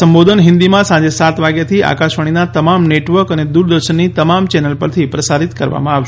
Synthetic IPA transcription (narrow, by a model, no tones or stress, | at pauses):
əmbod̪ʱənɦɪ̃nd̪imãsãɲd͡ʒesat̪ʋaɡjat̪ʰiʔa̰kaʃʋəɽ̃inat̪əmamneʈʋəɾkəned̪uɾd̪əɾʃənːit̪əmamt͡ʃɛnəlpəɾt̪ʰipɾəsaɾit̪kəɾʋa̰mãaʋʃ